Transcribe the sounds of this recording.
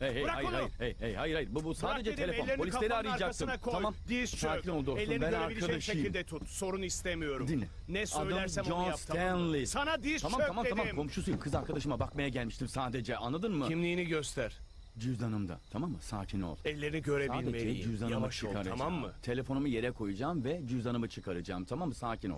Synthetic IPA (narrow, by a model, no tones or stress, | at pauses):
eeɾaaɾhajɯɾejejhajɯɾhajɯɾbubusaːd̪e̞d͡ʒɛelʲeopolʲslʲeɾiaɾɯjd͡ʒakt̪ɯmkʰoamamd̪iaːino̞lˠd̪uolebɛnɾikʰad̪aʃɯjɯilʲd̪ɛt̪ʰut̪so̞ɾunist̪emijo̞ɾumd̪inːʲɛ̰ | nɛsaødjlɯmæɾæd͡ʒonsʰænlʲisanad̪iamamamamʰamamkʰo̞mʃusujɯmkʰɯzaɾkʰad̪aʃɯmabakmajaɟælʲmiʃt̪ʰimsaːd̪e̞d͡ʒɛʔa̰nlˠad̪ɯnmɯimlʲiːniɟøst̪ʰæɾ̥ | d͡ʒyzd̪anɯmd̪a̰t̪ʰamamːɯsa̰ːcʰino̞̰lˠɛlʲːe̞ɾiniɟøɾeailʲeed͡ʒyzd̪anɯmɯt͡ʃʰɯkʰaɾaaamːɯ̰t̪ʰe̞lʲe̞fo̞numuje̞ɾɛkʰo̞jud͡ʒaːmvɛd͡ʒyzanɯmɯt͡ʃʰɯkʰaɾɯd͡ʒa̰ːmt̪ʰamamːɯsaːcʰino̰